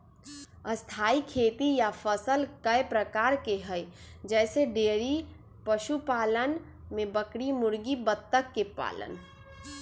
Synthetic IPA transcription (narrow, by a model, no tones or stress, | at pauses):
əst̪ʰaːikʰeːt̪ijafʰəsəlkəjpɾəkaːɾkeɦəj | d͡ʒɛːseɖeːɾi | pəʃupaːlən | mẽbəkɽimʊɾɡibət̪ːəkːepa̰ːlə̰n